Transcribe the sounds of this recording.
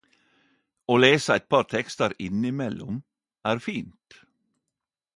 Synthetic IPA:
oːleːsəæɪt̪̚pʰɑɾt̪ʰɛkst̪əɾɪnɪmɛlʊm | ʔæːɾfiːnt̪

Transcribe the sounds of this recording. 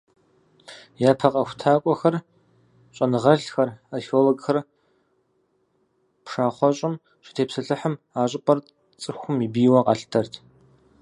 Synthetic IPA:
jaːpʰɐqʼɐxʷʊtʰaːkʷʼɔxɐr | ɕʼɐnɨʁɐɬxɐraːxioloɡxɐr | pʂaːχʷɔɕʼɪm | ɕɪ̥tʰeːpsɨɬɨħəm | aːɕʼɪpʼɐr | t͡sʼɨxʷʊmibiːwɐqʼɑ̰ɬtʰɐrtʰ

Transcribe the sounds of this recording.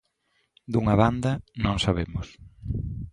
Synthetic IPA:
d̪uŋɐβand̪ɐnõŋsaβemʊs

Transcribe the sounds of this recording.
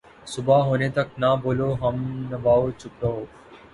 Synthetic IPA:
sʊbaːɦoːneːt̪ək̚naːboːloːɦəmnəʋaːoːt͡ʃʰʊpɾəɦoː

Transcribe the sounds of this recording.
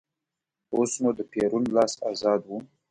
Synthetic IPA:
osnud̪əpeɾunlɑsazɑd̪wu

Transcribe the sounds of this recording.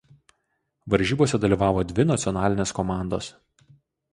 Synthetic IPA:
ʋɐɾʲʒʲiːboɔsʲɛd̪ɐlʲiːʋɑːʋoːd̪ʲʋʲɪnɐt̪sʲɔnɑːlʲɪnʲeːskɔmɑˑnd̪o̰ːs

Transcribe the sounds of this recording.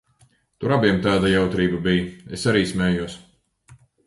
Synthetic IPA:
t̪uɾabiɛmt̪aːd̪ajawt̪ɾiːbabijesaɾiːsmʲɛːjuɔs

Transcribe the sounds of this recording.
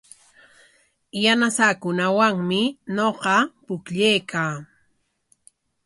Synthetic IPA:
janasakʊnawaŋmɪnoqɑpʊkʎejkʰaː

